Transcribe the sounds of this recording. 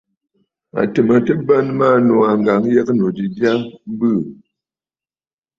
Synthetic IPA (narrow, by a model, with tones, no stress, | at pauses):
a̰˨tɨ˨mə˨tə˦bə˦nma˦˨no˨a˨ŋ˨ɡa˨ŋjɛ˦kno˨di˨dja˦m˦bɨ˦˨